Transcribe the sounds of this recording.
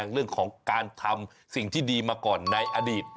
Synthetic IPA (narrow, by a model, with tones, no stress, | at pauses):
ŋɾɯ˥˩əŋkʰɔː˩˦ŋkaː˧nt̪ʰa˧m | si˨˩ŋt̪ʰiː˥˩diː˧maː˧kɔː˨˩nːa˧jʔaː˧diː˨˩t̪̚